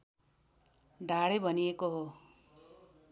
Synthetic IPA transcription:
ɖʱaɽebʱʌniekoɦo

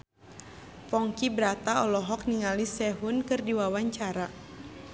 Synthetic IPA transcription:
fɔŋkibɾat̪aɔlɔɦɔk̚niŋalisɛɦunkɨrdiwawaɲt͡ʃaɾa

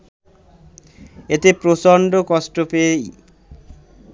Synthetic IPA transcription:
et̪epɾosɔɳɖokɔsʈopej

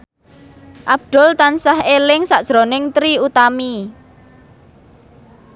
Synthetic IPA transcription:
ʔab̥̚d̪̥ʊ̤lt̪ansahelɪŋsaʔd̥ʒ̥ɾonɪŋt̪ɾiut̪ami

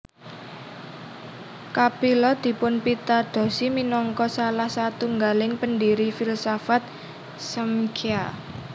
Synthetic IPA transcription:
kapilɔd̪̥i̤pʊnpit̪ad̪̥ɔ̤siminɔŋkɔsalahsat̪uŋɡalɪŋpəndiɾifilsafat̪̚ | səmkʰia

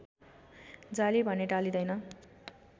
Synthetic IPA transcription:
d͡zalibʱʌneʈalid̪ʌjnʌ

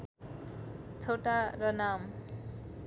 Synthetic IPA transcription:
t͡sʰoʈaɾʌnam

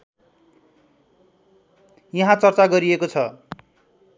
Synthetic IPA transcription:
jʌɦãt͡sʌrt͡saɡʌɾiekot͡sʰʌ

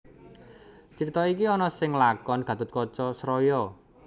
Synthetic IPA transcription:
t͡ʃəɾit̪ɔik̬iɔnɔsɪŋlakɔnɡ̥ä̤t̪ʊt̪̚kɔt͡ʃɔsɾɔjɔ

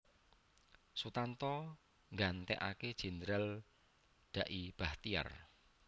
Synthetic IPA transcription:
sut̪ant̪ɔ | ŋɡant̪ɛ̰ʔa̰ked̥ʒ̥i̤nd̪ɾal | ɖ̥a̤ʔib̥aht̪ia̰r

